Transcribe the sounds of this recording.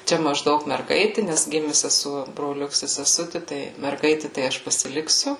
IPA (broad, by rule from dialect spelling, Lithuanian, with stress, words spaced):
ˈt͡ʃʲɛ mɐʒˈdɐʊk mʲɛrˈɡɐɪtʲɪ nʲɛs ˈɡʲɪmʲɪ sʲɛˈsuɔ broːˈlʲʊks ɪ sʲɛˈsʊtʲɪ tɐɪ mʲɛrˈɡɐɪtʲɪ tɐɪ ˈɐʃ pɐsʲɪˈlʲɪksʲʊ